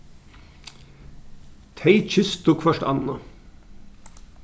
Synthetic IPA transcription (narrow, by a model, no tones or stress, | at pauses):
t̪ʰeɪc͡çʏst̪uːkfœʃʈɑ̰nɑ